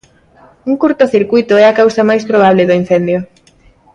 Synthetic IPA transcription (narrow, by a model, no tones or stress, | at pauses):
uŋkuɾt̪ʊθiɾkujt̪ʊɛakawsɐmajspɾoβ̞aβ̞lɪðoin̟θɛnd̪jo